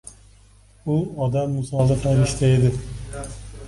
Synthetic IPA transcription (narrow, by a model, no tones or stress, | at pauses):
ʊɒd̪amːʊsɒlˠɪfaɾiʃt̪ʰaed̪ɪ